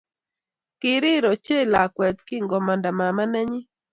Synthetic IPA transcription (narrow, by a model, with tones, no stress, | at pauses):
kɪ˨ɾɪ˦ɾɔ˨t͡ʃe˦la˨kwɛ˨t̪kɪ˦ŋɡɔ˨mɔ˨nda˨ma˨ma˦nɛ˦ɲɪ˦